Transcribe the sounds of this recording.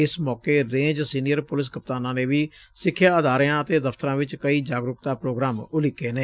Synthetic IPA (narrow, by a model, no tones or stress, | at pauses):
ɪsmɔːkeːɾẽːd͡ʒsiːnɪjəɾpʊlɪs̬kəp̚t̪aːnãːneːʋiːsɪkʰːjaːəd̪aːɾjãːət̪eːd̪əft̪əɾãːʋɪt͡ʃkəiːd͡ʒaːɡɾʊkt̪aːpɾoːɡɾaːmʊlɪkːeːneː